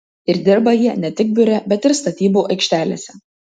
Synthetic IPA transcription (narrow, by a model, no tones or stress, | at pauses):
ɪɾd̪ʲɪɾbɐjiɛnʲɛt̪ʲɪk̚bʲʊɾʲɛbʲɛt̪ʲɪɾst̪ɐt̪ʲiːbuːʔɐɪkʃʲt̪ʲæːlʲḛːsʲɛ